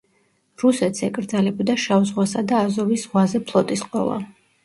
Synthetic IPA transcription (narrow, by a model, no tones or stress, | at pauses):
ɾusɛt̪ʰsɛkʼɾd̪zalɛbɔd̪aʃauzʁwasad̪aːzɔvisʁwazɛpʰlˠɔt̪ʼisqʼɔ̰lˠa̰